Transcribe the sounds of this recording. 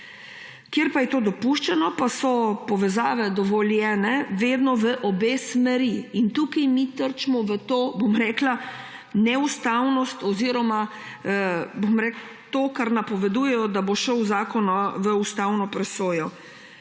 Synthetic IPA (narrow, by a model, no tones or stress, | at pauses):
kjeɾpajɛt̪oːd̪ɔpuʃt͡ʃɛnɔpasɔpɔʋɛzaːʋɛd̪ɔʋɔljɛːnɛʋeːd̪nɔʋəʔɔbeːsmɛɾiːnt̪uːkajmit̪əɾt͡ʃmɔʋət̪oːbomɾɛːkla | nɛust̪awnɔst̪ɔziːɾɔma | bomɾɛːkl | t̪oːkaɾnapɔʋɛd̪uːjɛjɔd̪aboʃɔwzaːkɔnaʋəust̪awnɔpɾɛsoːjɔ